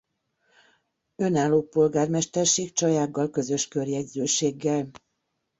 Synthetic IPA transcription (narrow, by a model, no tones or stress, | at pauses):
ø̞naːloːpo̞lɡaːrmɛʃt̪ɛrʃeːkt͡ʃɒjaːɡːɒlkø̞zø̞ʃkø̞rjɛɟzøːʃeːɡːɛl